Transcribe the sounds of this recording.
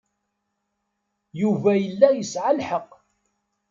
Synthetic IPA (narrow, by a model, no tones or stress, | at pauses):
juvæjəlːæjəsʕalħəqː